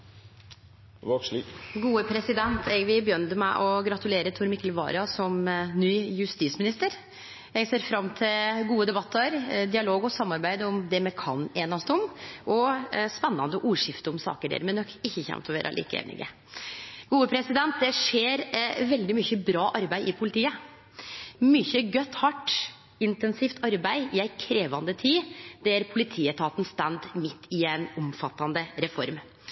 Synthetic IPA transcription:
ɡuːəpʰɾɛsɪd̪ɛnt̪ʰɛɡʋɪbəjœnt̪əmæɪʔɔɡɾɑt̪ʉleːɾət̪ʰuːɾmɪkːəlʋɑ̰ːɾɑsɔmnyːjʉst̪iːsmɪnɪst̪əɾ | jɛɡseːɾfɾɑmːt̪ʰɪlɡuːəd̪ɛbɑt̪ʰːəɾd̪ɪɑloːɡɔsɑmːɑɾbæɪd̪ɔmd̪ɛmɛkʰɑ̰neːnɑst̪əɔmʔɔspɛnːɑnd̪əʔuːʂɪft̪əɔmsɑ̰ːkəɖḛːɾmɛnɔkːɪçːəçɛ̰mt̪ʰɔʋḛːɾɑ̰lḭːkəḛːnɪ̰ɡə̰ | ɡ̥uːəpʰɾɛsɪd̪ɛnt̪̚d̪ɛʂeːɾʋɛld̪ɪmyçəbɾɑːʔɑɾbæɪʔɪpʰʊlɪt̪ʰiːə | myçəɡœt̪ːhɑʈː | ɪnt̪ɛnsɪft̪ɑɾbæɪɪæɪkʰɾeːʋɑnd̪ət̪ʰiːd̪ɛæɾpʰʊlɪt̪ʰiːət̪ʰɑːt̪n̩st̪ænd̪mɪt̪ːɪɛnɔmfɑt̪ːɑnd̪əɾɛfɔɾm

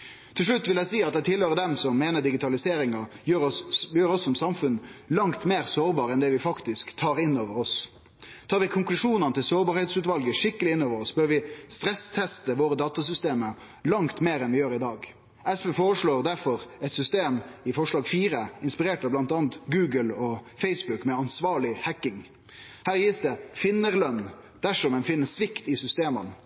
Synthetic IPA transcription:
t̪ʰɪlʂɭʉt̪ːʋɪlæɪsiːɑt̪d̪ɛɪt̪ʰɪlhøːɾəd̪ɛmsɔmːeːnəɖ̪ɪɡɪt̪ʰɑlɪseːɾɪŋɑjøjøːɾɔsːɔmsɑmfʉnlɑŋt̪meːɾsoːɾbɑːɾəɛnd̪ɛːʋɪfɑkt̪ɪskt̪ʰɑːɾɪnːoːʋəɾɔs | t̪ʰɑːɾʋɪkʰʊŋklʉʂuːnɑnət̪ʰɪlsoːɾbɑːɾhet̪sʉːt̪ʋɑlɡəʂɪkːəlɪɪnːoːʋəɾɔsbøːɾʋɪst̪ɾɛst̪ʰɛst̪əʋoːɾəd̪ɑːt̪ɑsʏst̪eːmə | lɑŋt̪meːɾɛnʋɪjøːɾɪd̪ɑːɡ | ɛsfefoːɾəʂɭoːɾd̪æɾfɔɾɛt̪sʏst̪eːmɪfɔʂlɑːɡfiːɾəɪnspɪɾeːʈɑblɑnt̪ɑːnt̪ɡʉːɡəlɔfɛɪsbʉkmɛɑnsʋɑːɭɪhækɪŋ | hæːɾjiːsd̪ɛfɪnːəɾlœn | d̪̥æʂɔmɛnfɪnːəsʋɪkt̪ɪsʏst̪eːmən

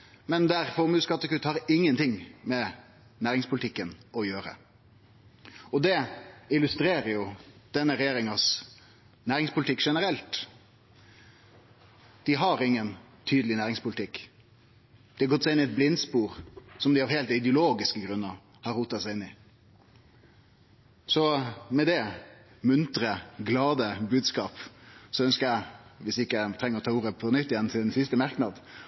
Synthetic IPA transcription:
mɛnd̪æɾfɔɾmʉːskɑt̪ːəkʉt̪ːhɑɾɪŋːənt̪ʰɪŋmɛ | næːɾɪŋspʊlɪt̪ɪkːənɔjøːɾə̰ | ɔd̪ɛɪlʉst̪ɾeːɾəjʊd̪̥ɛnːəɾɛjeːɾɪŋɑs | næːɾɪŋspʰʊlt̪ɪkːʂɛnəɾɛlt̪ | d̪̥ɪɦɑɾɪŋːən | t̪ʰyːd̪əlɪnæːɾɪŋspʰʊlɪt̪ʰɪkː | d̪̥ɛɑɡɔt̪ːsɛɪɪnɪɛt̪̚blɪnspuːɾsɔmd̪ɪɑʋheːlt̪ɪd̪əʊloːɡɪskəɡɾʉnːəɾ | hɑɾːuːt̪ɑsæɪɪnːɪ | sɔmɛd̪ɛ | mʉnt̪ɾəɡlɑːd̪əbʉːd̪skɑːpsɔœnskəɾæɪʋɪsɪkːət̪ʰɾɛŋəɾɔt̪ʰɑːuːɾəpʰɔnʏt̪ːɪjɛnt̪ʰɪlɛnsɪst̪əmɑɾknɑd̪

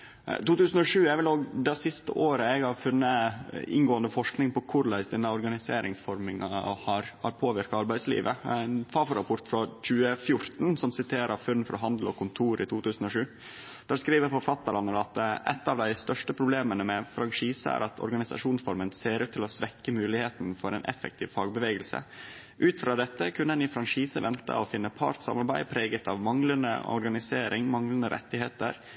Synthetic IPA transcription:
t̪uːt̪ʉːsən̩ɔʂʉːɛʋɪloːɡd̪æɪsɪst̪ə̰ʔoːɾəɛɡhɑɾfʉnːəɪ̰ŋɡoːənd̪əfɔʂknɪŋpɔkʰʊɾlæɪsd̪ɛnːəɔɾɡɑnɪseːɾɪŋsfɔɾmɪŋɑ̰hɑɾhɑ̰ɾpʰoːʋɪɾkɑɑɾbæɪslḭːʋə̰æɪnfɑfɔɾɑpʰʊɾt̪fɾɑc͡çʉːəfjʊɾt̪nsɔmsɪt̪ʰeːɾʔəɾfʉnːfɾʔɔ̰ɦɑnd̪l̩ɔ̰kʰʊnt̪ʰuːɾɪt̪ʰuːt̪ʰʉːsən̩ɔʂʉː | d̪̥æɾskɾiːʋəpʰɔpʰlɑt̪ːɑlɑnːəɾɑt̪ʔɛ̰t̪ːɑʋd̪æɪst̪œʂʈəpʰɾʊbleːmənəmɛfɾɑŋʂiːsəæ̰ɾɑt̪ʰɔ̰ɾɡɑnɪsɑ̰ʂuːnsfɔɾmənseːɾʉːt̪ʰːɪlɔsʋɛkːəmʉːlɪheːt̪nfɔɾɛnʔɛ̰fɛ̰k̚t̪ʰiːʋfɑːɡ̚bəʋeːɡəlsə̰ | ʔʉːt̪fɾɑːd̪ɛt̪ːəkʰʉnədɛnɪfɾɑŋʂiːsəʋɛnt̪ʰə̰ɔfɪnːəpʰɑ̰ːɾt̪sɑ̰mɑɾbæɪpʰɾeːɡət̪ʰɑʋmɑŋlənə̰ɔ̰ɾɡɑnɪseːɾʔɪŋmɑŋlənəɾʔɛ̰t̪ːɪheːt̪ə̰ɾ

